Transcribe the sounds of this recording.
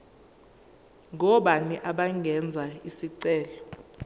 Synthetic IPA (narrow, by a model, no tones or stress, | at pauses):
ŋɔɓaniʔaɓaŋɡʱɛnd͡zʱaisiǀɛːlɔ